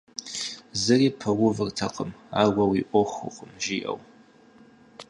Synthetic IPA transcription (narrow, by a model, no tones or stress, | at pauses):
zɨriːpʰɐwʊvɨrtʰɐqʼəmaːɡʷɐwiʔʷɔχʷɨ̰qʷʼəmʒiʔɐ̰w